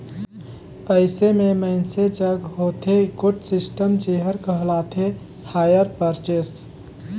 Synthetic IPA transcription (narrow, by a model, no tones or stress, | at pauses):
əɪsememəɪnsed͡ʒəɡɦot̪ʰekoʈsisʈəmt͡ʃeɦəɾkəɦlat̪ʰe | hajəɾpəɾt͡ʃesʈ